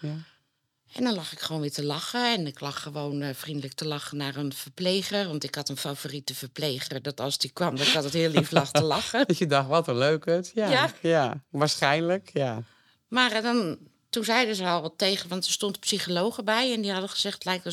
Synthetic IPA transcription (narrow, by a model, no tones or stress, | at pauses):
ɛndɔnlɑxɪkχəʋoːnʋɪtəlɑxəɛnɪklɑxːəʋoːnfrindələk̚təlɑxənaːrənfərpleːxərʋɔntɪkhɑtənfavoritəfərpleːxərdɔtɔlˠzdikʋɑmdɔnɪkhɑtəthɪəlˠliflɑxtəlɑxəədɑxtʋɔtəløːkətjaajaʋaːɹsxɛjnləkja | maːrdɔn | tunzɛjdəzəɔlˠteːɣəʋɔntərstontəpsixoloːxəbɛjɛndihɑdəxəz̥ɛxtlɛjk̚tə